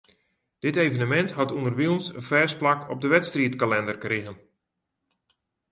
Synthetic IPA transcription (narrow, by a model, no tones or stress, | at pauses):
d̥ɪtejvənəmɛntɦɔtundərʋiənsə̰nfɛːsplakʰɔb̚dəʋɛtstriətkalɛndərkrɪɣən